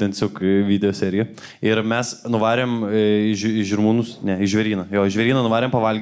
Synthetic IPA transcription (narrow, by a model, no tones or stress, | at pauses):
t̪ʲɛntʲesʲoːkʋʲiːd̪ʲɛjoːsʲæːɾʲɪjɛ | ɪɾmʲɛsnʊʋɑːɾʲeːmɪʃɪʒɪrmuːnʊsnʲɛɪʒʲʋʲɛɾʲiːnɐjoːɪʒʲʋʲɛɾʲiːnɐnʊʋɑːɾʲeːmpɐʋɐlʲɡʲ